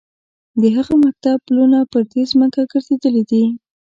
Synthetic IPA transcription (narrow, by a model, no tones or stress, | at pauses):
d̪əɦaɣamak̚t̪ab̚plunapəɾd̪ezməkaɡəɾzed̪əled̪i